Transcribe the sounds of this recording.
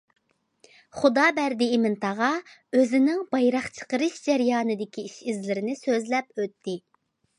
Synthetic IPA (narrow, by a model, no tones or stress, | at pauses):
χud̪ɑːbæɾd̪ɪːmɪnt̪ʰɑʁɑ | øzɪnɪŋbɑjɾɑχt͡ʃʰə̥qəɾɨʃd͡ʒɛɾjɑːnɨd̪ɪkʲʰiiʃizlɪɾɪnɪsøzlɛp̚øt̪ʰːɪ